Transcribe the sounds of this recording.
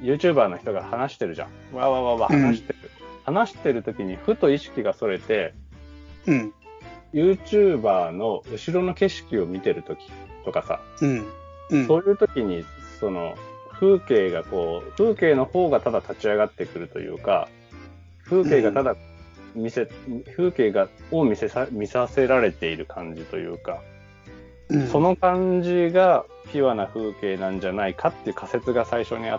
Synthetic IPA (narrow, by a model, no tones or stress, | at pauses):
jɯ̟ːt͡ɕɨːbaːno̞çi̥t̪o̞ɡahanaɕi̥t̪e̞ɾɯ̟ʑã̰ŋ | βaβaβaβahanaɕi̥t̪eɾɯ̟hanaɕi̥t̪e̞ɾɯ̟t̪o̞kʲiɲ̟iɸɯ̟t̪o̞iɕi̥kʲiɡaso̞ɾe̞t̪e̞ | jɯ̟ːt͡ɕɨːbaːno̞ɯ̟ɕiɾo̞no̞ke̞ɕi̥kʲio̞mʲit̪e̞ɾɯ̟t̪o̞kʲi̥t̪o̞kasa̰ | so̞ːjɯ̟ːt̪o̞kʲiɲ̟i | so̞no̞̰ɸɯ̟ːke̞ːɡako̞ːɸɯ̟ːke̞ːno̞ho̞ːɡat̪ad̪at̪at͡ɕiaɡat̪ːe̞kɯ̟ɾɯ̟t̪o̞̰jɯ̰ːka̰ | ɸɯ̟ːke̞ːɡat̪ad̪a | mʲiseɸɯ̟ːke̞ːɡaomʲisemʲisase̞ɾaɾe̞t̪e̞iɾɯ̟kʰãɲ̟d͡ʑit̪o̞̰jɯ̟̰ːka | so̞no̞kãɲd͡ʑiɡa | pʲiβanaɸɯ̟ːke̞ːnãɲ̟d͡ʑanaikʰat̪ːe̞jiɯ̟kʰase̞t͡sɨɡasaiɕo̞ɲ̟ia̰